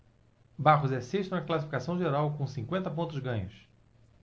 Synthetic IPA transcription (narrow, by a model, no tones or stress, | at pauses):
baʁʊzɛseʃt̪ʊunɐklasifi̥kasɐ̃w̃ʒeɾawkõw̃sĩŋkwẽnt̪ɐpõnt̪ʊzɡɐ̃ɲʊs